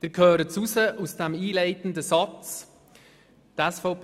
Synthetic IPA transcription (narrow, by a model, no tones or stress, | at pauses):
d̪̥ɪɾkʰhøːɾət͡susəʔusd̥ɛmiːlɛɪtən̩d̪əsɑt͡s | d̥̪æsfɔʊp